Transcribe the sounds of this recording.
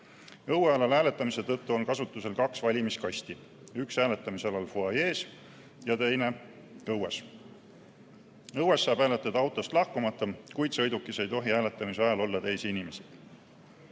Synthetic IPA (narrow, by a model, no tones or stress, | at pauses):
ɤweɑlɑlæːle̞t̪ːˑɑmise̞t̪ɤt̪ːuo̞nkɑsut̪ˑːuse̞lkɑksvɑlʲimiskɑst̪i | yksæːle̞t̪ːˑɑmiseɑlɑlfoɑje̞ːs | jɑt̪e̞jne̞ | ɤwes | ɤwe̞sːɑːb̥æːlet̪ːˑɑd̪̥ɑwt̪ˑo̞st̪lɑhkumɑt̪ˑːɑkujd̪̥sɤ̞jd̪ukːˑise̞jt̪o̞ɦiæːle̞t̪ːˑɑmiseɑjɑlo̞lːɑt̪e̞jsiinime̞si̥